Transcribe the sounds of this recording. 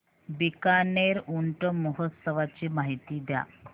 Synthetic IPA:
bikaneɾuɳʈəməɦət̪səʋat͡ɕiːmaɦit̪iːd̪ja̰

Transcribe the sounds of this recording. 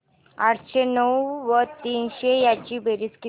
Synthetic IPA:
aɽɕenəwʋət̪iːnɕejat͡ɕiːbeɾiski

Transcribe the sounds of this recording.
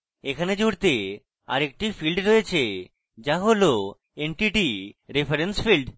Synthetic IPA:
ekʰaned͡ʑuɽt̪e | a̰ɾek̚ʈifilɖɾojet͡ɕʰe | d͡ʑaɦolo | eɳʈiʈiɾefʰeɾensfilɖ

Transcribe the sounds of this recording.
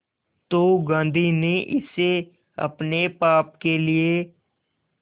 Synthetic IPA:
t̪oːɡãːnd̪ʱineʔɪse | ɐ̰pnepaːp̚kelie

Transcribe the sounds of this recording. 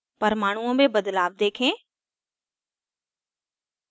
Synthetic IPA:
pɐɾmaːɳ̤uə̃bebɐd̪laːʋd̪eːkʰẽː

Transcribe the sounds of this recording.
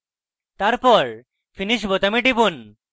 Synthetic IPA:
t̪aɾpɔɾ | fʰiniʃ̬bot̪amiʈ̬ipun

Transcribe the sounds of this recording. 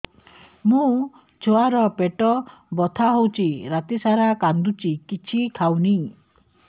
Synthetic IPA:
mũ | t͡ʃʰoaɾɔpeʈɔbɔt̪ʰaɦowt͡ʃiɾat̪isaɾakand̪ut͡ʃikit͡ʃʰikʰawni

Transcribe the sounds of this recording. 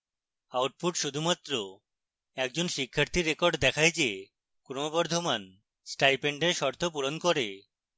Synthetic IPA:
awʈ̚puʈʃud̪ʱumat̪ːɾo | ɛk̚d͡ʑonʃikʰːaɾt̪ʰiɾːekɔɾɖd̪ɛkʰajd͡ʑe | kɾomobɔɾd̪ʱoman | sʈajpeɳɖeɾʃɔɾt̪ʰopuɾonkoɾe

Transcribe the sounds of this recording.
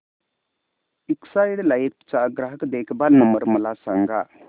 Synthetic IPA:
iksajɽlajipt͡ʃaɡɾaɦəkd̪eːkʰbalnəməɾmɐlasaŋɡa̰

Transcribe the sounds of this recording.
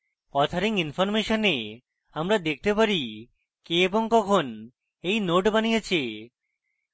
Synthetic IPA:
ɔt̪ʰaɾiŋinfoɾmeʃone | amɾad̪ek̚ʰt̪epaɾi | keeboŋkɔkʰon | ejnoʈbanijet͡ɕʰi

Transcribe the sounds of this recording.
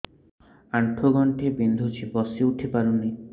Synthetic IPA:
aɳʈʰoɡɔɳʈebind̪ʱut͡ʃʰibɔsiuʈʰipaɾunːi

